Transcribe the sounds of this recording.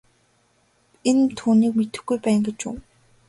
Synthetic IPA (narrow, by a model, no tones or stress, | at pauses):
ent̪ʰuːniːkmet̪ɘ̆xɡujpæːŋɡet͡ɕṵː